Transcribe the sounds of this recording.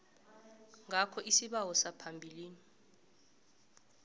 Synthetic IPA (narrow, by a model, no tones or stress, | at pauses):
ŋʱakʰɔʔisiɓawɔsapʰambʱiliːni